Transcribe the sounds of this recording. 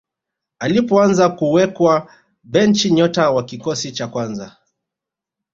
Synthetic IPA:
alipɔanzakuwɛkwa | bɛnt͡ʃiɲɔtawakikɔsit͡ʃakwanza̰

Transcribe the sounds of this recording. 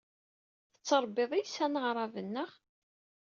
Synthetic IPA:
θə̥t͡sːɑɾˤbːeðˤijsænəʁɾˤɑvənːəʁ

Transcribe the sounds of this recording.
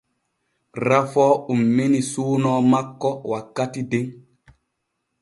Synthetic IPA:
ɾafɔːumːinisuːnɔːmakːɔwakːatideŋ

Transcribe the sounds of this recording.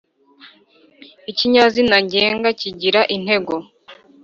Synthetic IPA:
iciɲazinaɲɟeːŋɡaciɟiɾaʔin̥he̞ɡo̞

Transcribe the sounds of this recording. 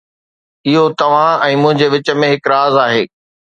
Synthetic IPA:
ɪɦot̪ɐʋ̤ãɛ̃ːmʊ̃ɦɪ̃ɲd͡ʑeʋɪt͡ɕə̆mẽɦɪkɾaːzaːɦeː

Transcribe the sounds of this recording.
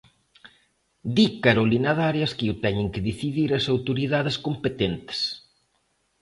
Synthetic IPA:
d̪ikaɾolinaðaɾjɐskɪut̪ɛɲɪŋkɪðiθiðiɾɐsawt̪oɾiðaðɪskompet̪ent̪ɪ̥s

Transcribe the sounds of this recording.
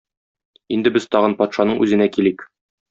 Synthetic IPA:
ind̪ɘbɘzt̪ɒʁɤnpɒt̪ʃɑnɤɴʔʉzɘ̆nækilik

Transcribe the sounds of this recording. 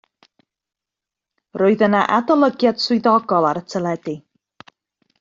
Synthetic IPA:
roːɨðənaʔadalˠəɡjad̥swʊɨðɔɡɔlˠaɾətʰəlˠɛdi

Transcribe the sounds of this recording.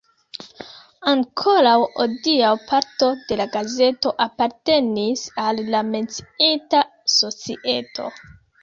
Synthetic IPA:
aŋkʰo̞ɾawodiawpʰaɾto̞de̞laɡaze̞to̞ʔapaɾte̞nisalːame̞nt͡si̥itaso̞t͡siʔe̞tʰo̞̰

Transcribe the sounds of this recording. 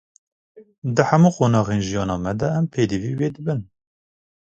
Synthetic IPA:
d̪ɨhæmuːqoːnɑːɣeːnʒijɑːnɑːmɛd̪ɛːmpʰeːd̪iviːweːd̪ɨbɨn

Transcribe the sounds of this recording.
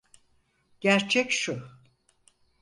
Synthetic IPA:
ɟ̥æɾt͡ʃʰɛcʃu

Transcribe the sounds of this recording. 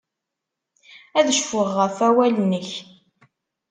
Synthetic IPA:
æðʃfʊʁːəfæwælnəç

